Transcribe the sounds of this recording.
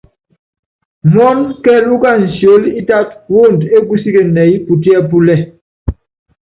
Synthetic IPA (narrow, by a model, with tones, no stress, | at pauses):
mɔ˦nkɛ˦lu˦ka˦˨n̩˨sjo˨˦li˦ta˦t̚wo˦˨nte˦ɡu˦si˦ke˨nɛ˨i˦pu˨ti˦ɛ˦p̬u˦lɛ˦˨